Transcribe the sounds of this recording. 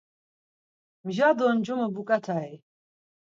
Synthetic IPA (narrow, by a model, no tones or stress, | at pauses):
mʒad̪ɔnd͡ʒɔməbukʼat̪ʰai